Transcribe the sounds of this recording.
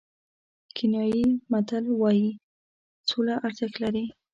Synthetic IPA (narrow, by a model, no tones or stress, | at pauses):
kʰɪnjɑjimat̪alwɑji | t͡solaʔaɾt̪əklaɾi